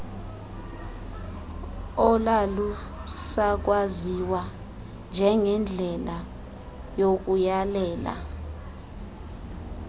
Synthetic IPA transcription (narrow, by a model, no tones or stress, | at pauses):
ɔlalu | sak̬waziwa | nd͡ʒʱɛŋɛnd͡ɮʱɛla | jok̬ujalɛːla̰